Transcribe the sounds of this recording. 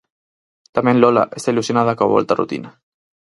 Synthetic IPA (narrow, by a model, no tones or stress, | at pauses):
t̪amenlɔla̰ʔest̪ailusjonaðakaβɔ̰lt̪arṵt̪ḭna